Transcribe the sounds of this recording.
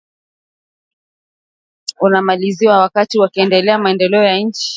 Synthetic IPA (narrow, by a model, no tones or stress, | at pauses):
unamaliziwawakatiwakiɛndɛlɛamaɛndɛlɛɔjaɲ̩t͡ʃi̥